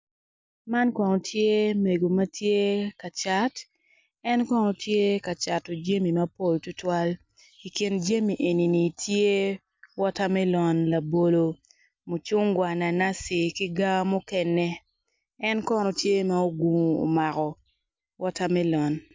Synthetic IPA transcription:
ma˦nkɔ˨nɔ˨tʰje˦me˨ɡo˨mɐ˦tʰje˦ka˨t͡ʃa˨˦t | ɛ˦nkɔ˦nɔ˨tʰje˦ka˨t͡ʃa˨to˨d͡ʒe˦mi˨ma˦po˦˨ltʊ˦twa˦l | i˨ki˨nd͡ʒe˦mi˨ʔe˨ni˨ni˨tʰje˦ | wɔ˦ta˦mɛ˦lɔ˨nla˨bo˨lo˨ | mo˨t͡ʃʊ˦ŋɡwa˨na˨na˦si˨ki˦ɡa˦mo˦kɛ˦nɛ˦ | ɛ˦nkɔ˦nɔ˨tje˦ma˦o˦ɡu˨ŋ˨o̰˨ma˨kɔ˨ | wʔɔ˦ta˦mɛ˦lɔ˨n

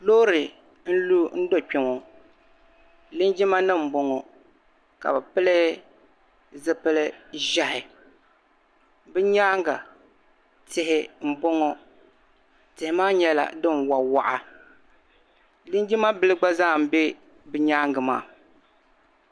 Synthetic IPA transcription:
loː˦ɾɨ˨ | n̩˦lu˦n̩˦do˦k͡pɛ˨ŋɔ˨ | lɨ˦nd͡ʒi˦ma˦nɨ˦m̩˨bo˨ŋɔ˨ | ka̰˨bɨ˨pɨ˦lɨ˦ | zɨ˦pɨ˦lɨ˦ʒa˦hɪ˨ | bɨ˦ɲaː˦ŋɡa˨ | tɪ˨hɪ˨˦m̩˦bo˦ŋɔ˨ | tɪ˨hɪ˨˦maː˦ɲɛ˦la̰˨dɨ˦nwa˨wa˨ʔa˨ | lɨ˦nd͡ʒɪ˦ma˦bɨ˦lɨ˦ɡ͡ba˦za˦˨m̩˨˦be˦ | bɨ˦ɲaː˦ŋɡɨ˨ma̰ː˦˨

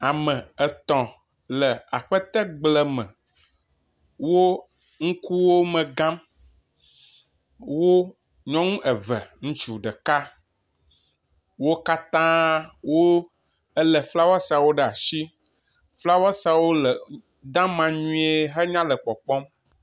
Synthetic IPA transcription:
a˨mɛ̃˨ɛ˨t̪ɔ̃˨ | lə˨a˨ɸə˦t̪ɛ˦ɡ͡blɛ˨mɛ̰̃˨ | wo˦ | ŋ̩̃˦ku˦wo˦mɛ̃˨ɡã˦m | wo˦ | ɲɔ̃˦ŋũ˦ʔɛ˨vɛ˨ŋũ˦t͡ʃu˨ɖɛ˨ka˦ | wo˦ka˦t̪ã˦wo˦ | ə˦lɛ˨fla˦wa˦sa˨wo˦ɖɛ˦˨a˨ʃi˦ | fla˦wa˦sa˦wo˦lə˨ | d̪ã˦mã˦ɲũ˦e˦ɦɛ˦ɲã˦lə˨k͡pɔ˨k͡pɔ˦m

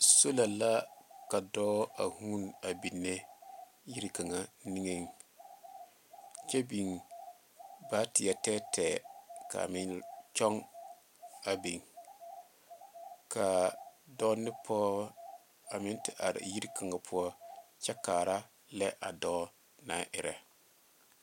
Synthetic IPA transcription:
so˦la˨la˦ka˨dɔː˦a˨hu˦na˨bi˨nːe˦ | ji˦ɾi˦ka˨ŋa˨ni˦ŋe˦ŋ | t͡ʃɛ˦bi˨ŋ | baː˦tɪ˨ja˨tɛː˦tʰɛː˨ka̰˨mɪ˦nt͡ʃɔ˦ŋ | a˨bi˨ŋ | ka˨dɔ˦nɪ˦pʰɔː˦ | a˨mɪ˦ntɪ˨ʔa˨ɾɪ̰˨ji˦ɾkʰa˨ŋa˨pʰʊ˦ɔ˦t͡ʃɛ˦kaː˨ɾa˦ | lɛ˦ʔa̰˨dɔː˦ | naː˦ʔɪ˨ɾɛ˨

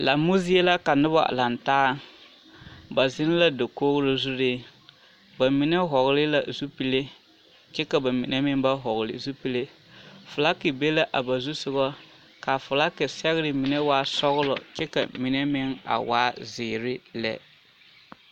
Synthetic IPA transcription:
la˨mu˦zi˦e˦la˦ka˨nɪ˦ba̰˨la˨ntaː˦ | ba˨zɪ˦n˦la˦do˨koː˦ɣlo˦zu˦ɾeː˦ | ba˨mi˨nɛ˦ɦɔ˨ɣlɪ˦la˨zu˦pi˦le˦ | t͡ʃɛ˦ka˨ba˨mḭ˨nɛ˦mɪ˦ŋba˦ɦɔ˨ɣlɪ̰˨zu˦pi˦le˦ | fʊ˨la˦kɪ˨be˦la˦ʔa˨ba˨zu˦sʊ˨ɣɔ˦ | ka˨fʊ˨la˦kɪ˨sɛ˦ɣɪ˦ɾɪ˨mi˨nɛ˦waː˦sɔ˦ɣʊ˦lɔ̰˨t͡ʃɛ˦ka̰˨mi˨nɛ˦mɪ˦ŋa̰˨waː˦zɪː˨ɾɪ˦lɛ̰˨

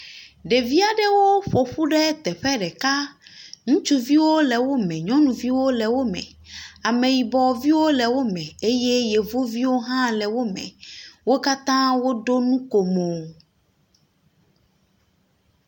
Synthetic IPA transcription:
ɖe˨vi˦a˨ɖɛ˦wo˦ɸo˨ɸu˦ɖɛ˦t̪ɛ˨ɸɛ˦ɖɛ˨ka˦ŋũ˦t͡ʃu˦vi˦wo˦lɛ˨wo˦mɛ̃˨ɲɔ̃˦nũ˨vi˦wo˦lɛ˨wo˦mɛ̰̃˨ | a˨mẽ˨ji˨bɔ˨vi˦wo˦lɛ˨wo˦mɛ̃˨e˦je˦je˨vo˦vi˦wo˦ɦã˦lɛ˨wo˦mɛ̰̃˨wo˦ka˦t̪ã˦wo˦ɖo˦nũ˦ko˨mõ˨

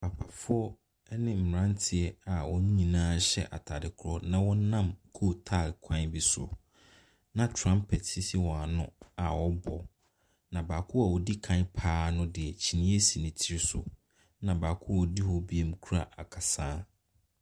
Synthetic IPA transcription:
pʰa˨pʰa˨fʊ˦ɔ˦ | nɪ̃˦m̩˨mɾã˦n˦tʰɪ˨ɛ˨a˨wɔ˦ɲ̃˦ɲĩ˨nãː˦ɕɛ̰˦˨ʔa̰˨tʰa˨dɪ˨kʰʊ˦ɾɔ˦nã˨wɔ˦nã˦˨mkʰo˦tʰa˦˨kʷʰã˦bi˦sʊ̰˨ | nã˨tʰɾã˦mpʰɛ˨tsi˦si˦wɔ̃˨a˨nʊ̃˦a˨wɔ˦bɔ˨ | nã˨baː˨kʰʊ˦a˨wɔ˨di˦kʰã˦ɲpʰaː˦nʊ̃˦dɪ˨ɛ˨t͡ɕʰi˨nĩ˦e˦si˨nɪ̃˨tʰi˦ɾsʊ̰˨ | nã˨ba˨kʰʊ˦wɔ˨di˦hɔ˦bi˦e˦m̩˦kʰu˦ɾa̰˦ʔa̰˨kʰa˨sãː˦

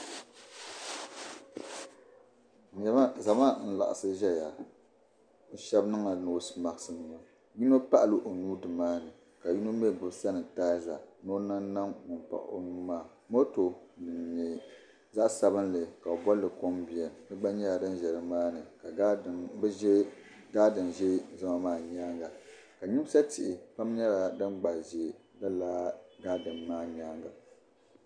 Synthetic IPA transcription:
za˨ma˦n̩˦la̰˨ʔa̰˨sɨ˦ʒɛ˦ja˨ | ʃɛ˦bnɨ˦ŋa˨no˨˦sma˨ɡɨ˨sɨ˦n˨o˦ | ji˦no˦pa˦ʔlɨ˨ʔo˨nuː˦dɨ˨maː˦nɨ˨ | ka˨ji˦no˦m˦ɛ˦˨ɡɨ˦bsa˦nɨ˨taː˦za˨no˦na˦nːa˦ŋŋʊ˨m˨pa̰˨ʔo̰˦nuː˦maː˦˨ | mo˦to˨dɨ˨n˨ɲɛ˨ | za˦ʔsa˦bɨ˦nlɨ˨ka˨o˨bɔ˦lːɨ˨ko˦mbɪ˨ɛ˨nɨ˦ɡ͡ba˦ɲɛ˦la˨dɨ˦nʒɛ˨ɾɨ˨maː˦nɨ˨ka˨˦˨bɛ˦ʒɛ˦ | ɡaː˦dɨ˨mʒɛ˦za˦ma˦maː˦˨ɲaː˦ŋɡa˨ | ka˨ɲɪ˦m˦sa˦tɪ˨ʔɪ˨pa˦mɲɛ˦la˨dɨ˦mɡ͡ba˨ʒe˨la˦laː˦ɡaː˦dɨ˨mːaː˦ɲaː˦ŋɡa̰˨

